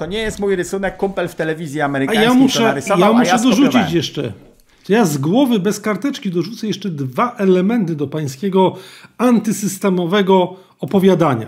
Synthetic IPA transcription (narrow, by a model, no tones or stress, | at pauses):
t̪ɔɲɛjɛst̪mujɾɘsunɛkːumpɛlft̪ɛlɛvʲizʲjiamɛɾajamuʂɛjamuʂɛd̪ɔʐut͡ɕit͡ɕjɛʂt͡ʂɛ̰ | ʐ̥jazɡwɔvɘbɛskaɾt̪ɛt͡ʂkʲid̪ɔʐut̪sɛjɛʂt͡ʂɛd̪vaʔɛlɛmɛnt̪ɘd̪ɔpaj̃skʲeɡɔant̪ɘsɘst̪ɛmɔvɛɡɔ | ɔpɔvʲjad̪aɲa̰